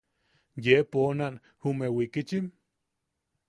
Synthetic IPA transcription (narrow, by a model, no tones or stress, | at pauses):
jeponan | humewikit͡ʃim